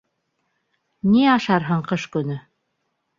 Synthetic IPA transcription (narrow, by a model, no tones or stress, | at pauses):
niɑʃɑɾɦɤɴqɤʃkɵ̆nɵ